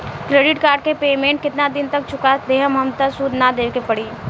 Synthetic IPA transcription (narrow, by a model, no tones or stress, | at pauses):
kɾeːɖɪʈkaːɾɖ̚kepeːmẽɳʈ̚kɪt̪nad̪ɪnt̪ɐk̚t͡ʃʰʊkad̪eːɦəmɦɐmt̪əsud̪nad̪eːkepɐɽiː